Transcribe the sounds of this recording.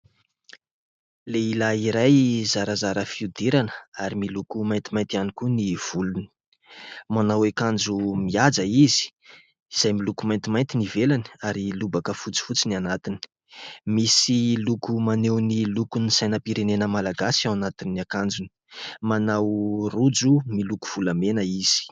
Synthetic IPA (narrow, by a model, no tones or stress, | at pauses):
leilaiɾajzaɾazaɾəfiud̪iɾanə̥aɾimilukumajnt̪imajnt̪ianikuniv̥uluni̥ | manawekand͡zumiad͡zəizi̥ | iz̥ajmilukumajnt̪imajnt̪inivelani̥aɾilubakəfut͡si̥fut͡sinianat̪ini̥ | misilukumanewnilukunisajnəpiɾenenəmalaɡasiawanat̪inːiakand͡ʒuni̥ | manawrud͡zumiluku̥v̥ulamenəiz̥i̥